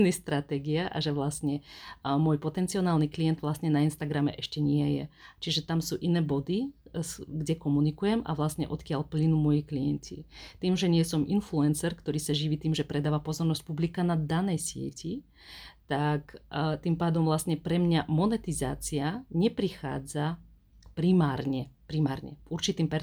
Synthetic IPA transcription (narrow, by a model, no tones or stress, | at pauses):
nist̪ɾat̪ɛɡiaʔa̰ʒɛʋlastɲɛmʊɔːjpɔt̪ɛnt͡siɔnaːlniklijɛnt̪ʋlast̪ɲɛnainst̪aɡɾamɛ̰ʔɛʃcɛɲɪɛjɛ̰t͡ʃiʒɛt̪amsuːʔinɛːbɔd̪i | ɡɟɛkɔmunikujɛma̰ʋlast̪ɲɛ̰ʔɔt̪kɪalplinuːmɔjiklijɛncʰḭt̪iːmʒɛɲɪɛsɔmʔinfluɛnsɛɾkt̪ɔɾiːsaʒiʋiːt̪iːmʒɛpɾɛd̪aːʋapɔzɔɾnɔsc̚publikanad̪anɛjsɪɛ̰ci | t̪akt̪impaːd̪ɔmʋlast̪ɲɛpɾɛmɲamɔnɛt̪iza̰ːt͡siaɲɛpɾixa̰ːd͡za | pɾimaːɾɲɛpɾimaːɾɲɛ̰uɾt͡ʃit̪iːmpɛɾ